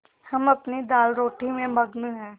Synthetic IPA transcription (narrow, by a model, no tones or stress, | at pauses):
hɐmɐpnid̪aːlɾoːʈimẽbʱɐɡnuɦɛ̃ː